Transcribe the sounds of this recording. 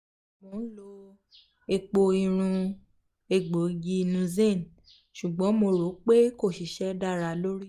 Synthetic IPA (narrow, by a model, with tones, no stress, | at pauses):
m̃o˨˦lo˧ | e˧k͡po˧i˧ɾ̃ũ˧ | e˧˨ɡ͡bo˨˦ɡi˦nũ˨˧˦ze˦˨n˨ | ʃu˨ɡ͡bɔ̃˨˦mo˧ɾo˨˦k͡pe˦ko˦˨ʃi˨ʃɛ˨˦da˦˨ɾa˨˦lo˦ɾi˦